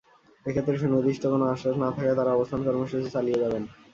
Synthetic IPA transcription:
ekʰet̪ːɾeʃenod̪iʃʈʰokonoaʃːaʃnat̪ʰakaet̪aɾaɔbost̪ʰankɔɾmoʃut͡ɕit͡ɕalijed͡ʑaben

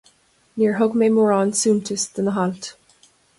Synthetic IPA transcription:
niːɹɦʊɡmeɪmɔːɹɑnsũːntʰəsðə̃nəɦɑlt

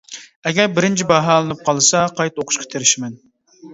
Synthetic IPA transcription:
ɛɡʲɛɾbɪɾɪnt͡ʃʰibɑɦɑlˠɨnɨp̚qʰɑlˠɨsɑqʰɑjt̪oqʰʊ̥ʃqʰɑ̥t̪ʰeɾɪʃɪmɛn

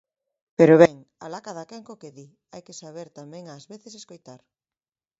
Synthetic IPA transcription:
peɾoβɛŋalakaðakeŋkokeði | ajkesaβ̞eɾt̪amɛ̃ŋaːzβeθeseskojt̪aɾ

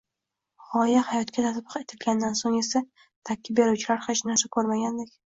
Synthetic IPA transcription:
ʁɒjahajɒt̪kʲad̪at̪ʰpqe̞t̪ʰɪlɡʲand̪ansoŋe̞sa | t̪ʰakʲʰːɪb̚be̞ɾuwt͡ʃʰɪlaɾχaʃnaɾsakʰɵɾmaɡʲand̪ekʲ

